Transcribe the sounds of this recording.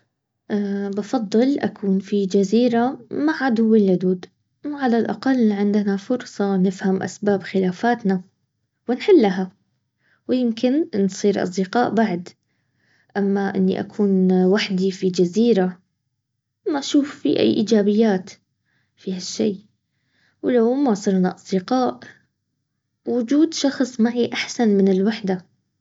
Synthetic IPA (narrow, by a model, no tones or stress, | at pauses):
ʔabɑfɑd̪ˤːɨlʔakʰuːnfid͡ʒaziːɾamaʕʕad̪ʊwːɪlʕʊd̪uːd̪ | wʕalalʔɑqɑlːʕɪnd̪ɪnafʊɾsˤɑnɪfhamʔa̰sbaːbxɪlaːfaːt̪na | wɪnħɪlːaɦa | wɪjɪmkɪnnsˤiːɾʔɑ̰sˤd̪ɪqɑːʔbaʕd̪ | ʔamːaʔɪnːḭʔa̰kʰuːnwaħd̪ifid͡ʒaziːɾa | maʔaʃuːfːḭʔa̰jːʔiːd͡ʒaːbɪjːaːt̪ | fihaʃːḛː | wlawmasˤɨɾnaʔɑsˤd̪ɪqɑːʔ | wʊd͡ʒuːd̪ʃɑxsˤmaʕiʔaħsanmɪnɪlwaħd̪a